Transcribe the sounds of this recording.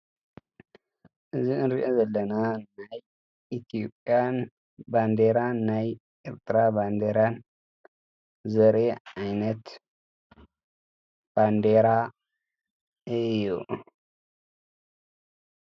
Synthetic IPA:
ʔɨziʔɨnɾiʔozɐlːɐnanaj | ʔit̪ʰijopʼjan | band̪eɾanːaj | ʔeɾt̪ʰɾaband̪eɾan | zɐɾeajnɐt̪ | b̥and̪eɾa | ɨjːu

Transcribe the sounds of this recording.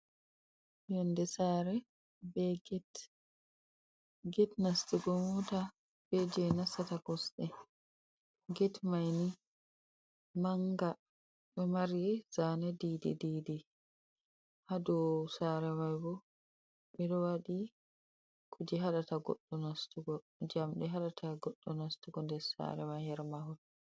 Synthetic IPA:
jɔndɛsaːɾɛ | bɛɡɛt | ɡɛtnastiɡɔmɔta | b̥ɛd͡ʒɛnasːatakɔsɗɛ | ɡɛtmajni | maŋɡa | ɓɛmaɾizanadidɛ̰didɛ | hadɔsaɾɛmajbɔ | ɓɛɗɔwaɗi | kʰud͡ʒɛɦaɗataɡɔ̰ɗːɔnastuɡɔ | d͡ʒamɗɛɦaɗatʰaɡɔɗːɔnastuɡɔndɛɾsa̰ɾɛmajhɛɾmahɔt

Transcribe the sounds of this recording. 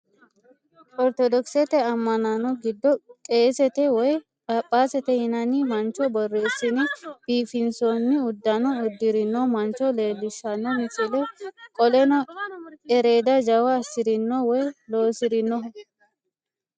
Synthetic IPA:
ɔɾt̪ɔd̪ɔksɛt̪ɛɐmːɐnɐnɔɡɪd̪ːɔkʼe̞ːsɛt̪ɛwɔj | ɐpʼːaːsɛt̪ɛhɪnɐnɪmɐnt͡ʃːɔbɔrːeːsːɪnɪb̥iːfɪnsonːɪʊd̪ːɐnɔʊd̪ːɪɾɪnːɔmɐnt͡ʃːɔle̞ːlːɪsːɐnːɔmɪsɪlɛkʼɔlɛnɔ | ɛɾe̞ːd̪ɐd͡ʒɐwɐːsːɪɾɪnːɔwɔjlo̞ːsɪɾɪnːɔ

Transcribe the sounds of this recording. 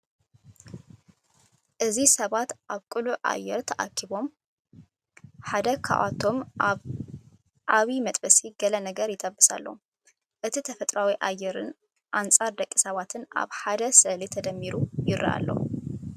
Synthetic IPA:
ʔɨzisɐβat̪ʔaβkʼɨluʔa̰jːɛɾt̪ʰɐʔakʰːiβo̞m | ħad̪ɐkʰa̰ʔat̪ʰo̞m | ʔaβimɐt̪ʼbɐsiɡɐlɐnɐɡɐɾjɪt̪ʰʼɐbːɨsa̰lːo | ʔɨt̪ʰit̪ʰɐfɐt̪ʼɾawiʔajɛɾɨn | ʔant͡sʼaɾd̪ɐkʼːisɐβat̪ʰɨna̰βħad̪ɐsɐlit̪ʰɐd̪ɐmːiɾujɪɾɐ̰ʔa̰lːo̰

